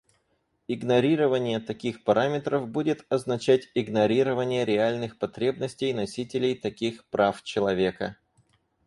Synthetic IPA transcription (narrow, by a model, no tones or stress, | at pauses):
ɪɡnɐɾʲiɾəvənʲɪjət̪ɐkʲixpɐɾamʲɪt̪ɾəvbudʲɪt̪ɐznɐt͡ɕætʲɪɡnɐɾʲiɾəvənʲɪjəɾʲɪalʲnɨxpɐt̪ɾʲebnəsʲtʲɪjnɐsʲitʲɪlʲɪjt̪ɐkʲixpɾʔaft͡ɕɪlˠɐvʲe̞kə